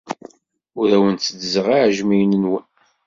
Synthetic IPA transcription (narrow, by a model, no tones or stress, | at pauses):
ʊɾæwənt͡s̪ːəd̪zəʁiʕʒmijnənwən